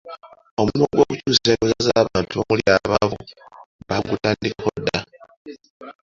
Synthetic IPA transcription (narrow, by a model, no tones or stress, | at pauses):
omumoɡwo̞kucuːsekozazaːβaːntuomuljaβaβuβaɡutaːndikakodːa